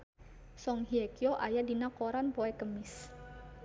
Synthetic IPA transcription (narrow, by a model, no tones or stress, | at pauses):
sɔŋhiekioʔajadinakoɾanpoɛkəmɪs